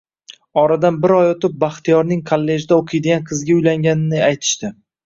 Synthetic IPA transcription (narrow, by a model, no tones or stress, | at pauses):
ɒɾad̪anbɪɾɒjot̪ɪp̚baχt̪ʰijɒɾnɪŋkʰolːe̞ʒd̪aoqʰɨjd̪ɪɡʲanqʰɨzɡʲaʊjlaŋɡʲanɪnɪajt̪ʰɪ̥ʃt̪ɪ